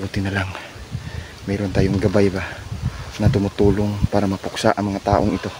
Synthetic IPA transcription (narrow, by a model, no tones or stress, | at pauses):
uːt̪ɪnɐlaŋ | mɛːɾont̪aːjoŋɡɐbajba | nɐt̪ʊmʊt̪uːloŋpaːɾɐmɐpʊksaʔɐŋmɐŋat̪aːʔoŋɪt̪o̞